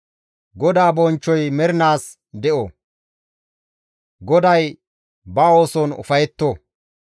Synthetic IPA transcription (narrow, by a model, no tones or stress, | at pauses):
ɡɔd̪aːbɔnt͡ʃːɔjmɛɾɪnaːs | d̪ɛʔo | ɡɔd̪ɐj | bɐo̞ːsɔnʊ̰fɐjɛt̪ːo